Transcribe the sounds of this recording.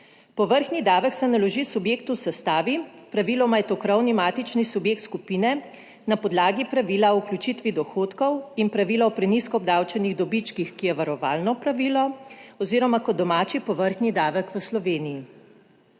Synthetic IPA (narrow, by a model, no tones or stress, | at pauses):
pɔʋəɾxnid̪aːʋəksɛnalɔʒisubjeːk̚t̪usɛst̪aːʋipɾaʋilɔmajɛt̪okɾɔwnimaːt̪it͡ʃnisubjeːk̚t̪skupiːnɛ | napɔd̪laːɡipɾaʋilaɔklʲut͡ʃit̪ʋid̪ɔxoːt̪kɔwinpɾaʋiːlaɔpɾɛniskɔɔːb̚d̪awt͡ʃɛniɣd̪ɔbit͡ʃkixkijɛʋaɾɔʋaːlnɔpɾaʋiːlɔɔziːɾɔmakɔd̪ɔmaːt͡ʃipɔʋəɾxnid̪aːʋəkʋəslɔʋeːniji